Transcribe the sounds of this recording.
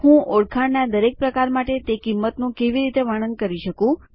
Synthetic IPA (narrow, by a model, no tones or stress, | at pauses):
hũʔoɽkʰaɽnad̪əɾek̚pɾəkaɾmaʈet̪ekimːət̪nũkeʋiɾit̪eʋaɽ̃ənkəɾiʃəkũ